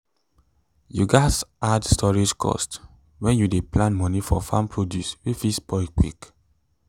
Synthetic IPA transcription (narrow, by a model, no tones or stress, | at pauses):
juɡaɪsʔadstʰɔɹid͡ʒkʰɔ̰st | wɛ̃njudeplãnmɔnifɔfãmpʰɹodjuswifispʰɔɪkwḭk